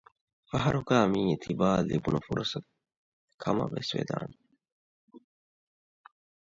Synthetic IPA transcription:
fɐɦɐɾukaːmiːt̪ʰibaːlḭbunɐfuɾɐsɐt̪̚ | kʰɐmɐ̰ʋesʋḛːd̪a̰ːn

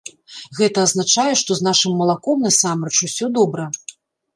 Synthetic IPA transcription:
ɣɛt̪ɐːznat͡ʂajɛʂt̪ɔznaʂɨmːɐlˠakɔmnɐsamɾɛt͡ʃusʲɔd̪ɔbɾɐ

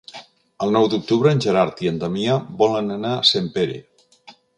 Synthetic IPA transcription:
əlˠnɔwd̪uk̚t̪uβɾəːnʲʒəɾaɾt̪iənd̪amiabɔlənənasempeɾḛ

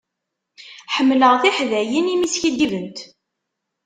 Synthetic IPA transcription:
ħəmːləʁθiħðæjinimisçid̪ːivənt̪

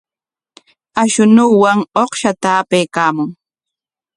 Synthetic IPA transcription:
aʃʊnuwaŋoχʃat̪aːpejkaːmʊŋ

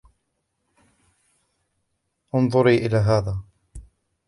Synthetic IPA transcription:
ʔʊnðˤʊɾiːʔɪlaːɦaːðaː

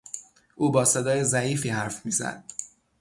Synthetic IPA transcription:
ʔuːbɒːsed̪ɒːjezæiːfiːɦæɾfmiːzæ̰d̪̥̚

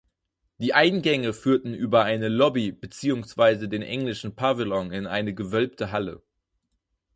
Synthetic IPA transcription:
d̥iːʔaɪnɡɛŋəfyːɐtn̩ʔyːbɐaɪnəlɔbibət͡siːʊŋsv̥aɪzədeːnʔɛŋlɪʃn̩pʰavɪlɔnɪna̰ɪnəɡəvœlp̚tʰəɦalə̰

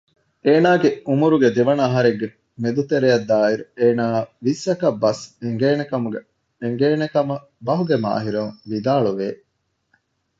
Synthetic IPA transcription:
eːnaːɡeumuɾuɡed̪eʋɐnɐːɦɐɾeɡːe | med̪ut̪eɾeɐd̪ːaːiɾueːnaːʋisɐkɐbːɐseŋɡeːnekɐmuɡe | eŋɡeːnekɐmɐ | bɐɦuɡema̰ːɦiɾɐŋʋid̪aːɭuʋeː

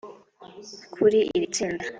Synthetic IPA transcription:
kʰuɾiʔiɾit͡ʃiːnda

